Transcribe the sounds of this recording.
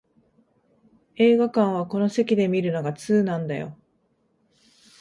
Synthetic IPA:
e̞ːɡakãɰ̃β̞ako̞no̞se̞kʲid̪e̞mʲiɾɯ̟no̞ɡat͡sɨːnãnd̪ajo̞̰

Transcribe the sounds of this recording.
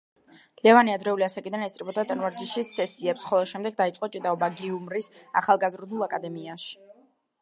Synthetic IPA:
lɛvaniad̪ɾɛuliasakʼid̪anɛst̪ʼɾibɔd̪at̪ʼɛnvaɾd͡ʒiʃisɛsiɛpsχɔlˠɛʃɛmd̪ɛɡ̚d̪ait̪sʼqʼɔt͡ʃʼid̪aɔbaɡiumɾisa̰χalˠɡazɾd̪ulˠakʼad̪ɛmiaʃi̥

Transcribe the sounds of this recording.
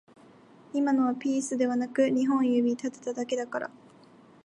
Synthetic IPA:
imano̞βapʲiːsɨd̪e̞βanakɯ̟ɲ̟iɦõ̞ɰ̃jɯ̟ːbʲit̪at̪e̥t̪ad̪ake̞d̪akaɾa̰

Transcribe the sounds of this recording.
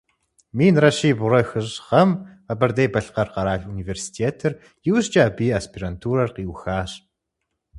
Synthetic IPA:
miːnrɐɕiːbʊɾɐxɨʑʁɐmɐbɐrd̪ejbɐɬqɐrqɑɾaːɮuniveːrsi̥tʰeːtʰɨr | jɪwɕt͡ʃʼaːbiːɐspʰirɐntʰuːɾɐrqiːwxaːɕ

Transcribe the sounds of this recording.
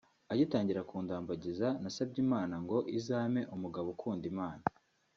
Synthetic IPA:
aɟitaːɲɟiɾakuːndaːmbaɟizanasab̚ɟimaːnaŋɡo̞ʔizaːme̞ʔumuɡaβokʰuːndimaːna

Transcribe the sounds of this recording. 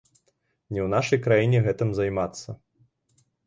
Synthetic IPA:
nʲɛwnaʂɐjkɾajinʲɛɣɛt̪ɨmzajmat̪sːɐ

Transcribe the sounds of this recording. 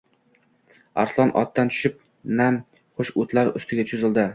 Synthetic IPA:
a̰ɾslˠɒnʔɒ̰t̪ːant̪ʰʊ̥ʃɪp̚ | nam | χʊʃʊt̪laɾʊ̰st̪ʰɪɡʲat͡ʃʰʊzɪld̪ɪ

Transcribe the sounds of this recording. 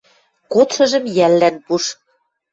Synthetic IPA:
kot̪ʃɤ̆ʒɤ̆mjælːænpuʃ

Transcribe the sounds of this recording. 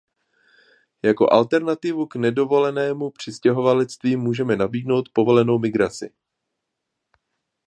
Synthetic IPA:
jako̞̰ʔalt̪ɛɾnat̪ɪvuknɛdo̞vo̞lɛnɛːmupr̝̥ɪscɛɦo̞valɛt͡st̪viːmuːʒɛmɛnabiːdno̞wt̪po̞vo̞lɛno̞wmɪɡɾat͡sɪ̰

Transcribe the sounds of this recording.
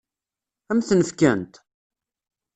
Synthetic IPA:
æmθnəfkænt̪

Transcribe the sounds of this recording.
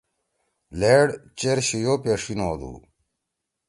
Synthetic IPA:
leːɽt͡ɕeɾɕijoːpeʂinoːd̪ṵː

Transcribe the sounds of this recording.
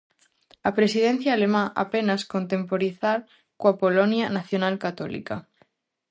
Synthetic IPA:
apɾesið̞ẽn̟θjaːlemãʔa̰penaskont̪e̞mpoɾiθaɾ | koapolonjanaθjonalkat̪olḭka

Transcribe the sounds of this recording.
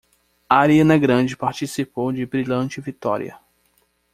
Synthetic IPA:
aɾiɐnɐɡɾɐ̃d͡ʒɪpaɾt͡ʃisipowd͡ʒɪbɾilɐ̃t͡ʃɪvit̪ɔ̰ɾḭɐ̰

